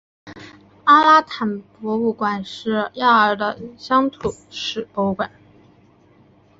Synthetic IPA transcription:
a˥la˥t̪ʰa˨˩npwɔ˧˥u˥˩kwa˨˩nʂɻ̩˥˩ja˥˩ə˞˧˨˩d̪ə˧ɕjɑ˥ŋt̪ʰu˨˩ʂɻ̩˨˩po˧˥ʊkwa˨˩˦n

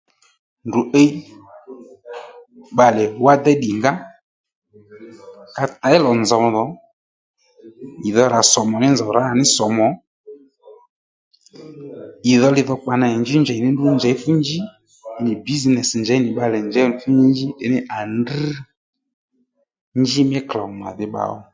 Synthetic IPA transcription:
ndu˨ʔe˦ | ɓa˨lɛ˨wa˦d̪ɛ˦ɗi˨ŋɡa˦ | ka˧ta˨˦ɪ˦lɔ˨nza˨ðɔ˨˦ | i˨ðɔ˧ɾa˨sɔ˨mɔ˨nɪ˦nza˨ɾa˨˦a˨nɪ˦sɔ˨mɔ˨˦ | i˨ðɔ˧lɪ˧ðɔ˧k͡pa˨na˧˨ɛ˨nd͡ʒɪ˦nd͡ʒɛ˨nɪ˦n˦dʊ˦nd͡ʒɛ˨˦fu˦nd͡ʒi˦˨ | nɪ˨bi˦znɛ˨snd͡ʒɛ˨˦nɪ˨ɓa˧lɛ˨nd͡ʒɛ˨˦n˨fu˦nd͡ʒi˦nd͡ʒi˦ɗɪ˨˦nɪ˦ʔa˨nd̩˦ | nd͡ʒi˦mɛ˦kla˨ma̰˨ðɪ˦ɓa̰˨ɔ̰˦

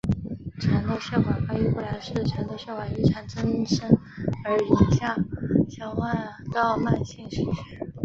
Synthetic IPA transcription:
ʈ͡ʂʰa˧˥nd̪ə˧ɕjɑ˥˩xwa˨˩ka˥y˧˥kwɔ˥˩la˧˥ɪʂɻ̩˥˩ʈ͡ʂʰa˧˥nd̪ə˧ɕjɑ˥˧ʊxwa˨˩i˥˩ʈ͡ʂʰa˧˩nʈ͡ʂʰɤ˥ŋi˥˩nʂə˥ŋ | ə˞˧˥i˨˩ɕja˥˩ɕjɑ˥ʊxa˥˧nt̪ɑ˥˧ʊma˥˧nɕi˥˩ŋʂi˧˥˩y˥˩

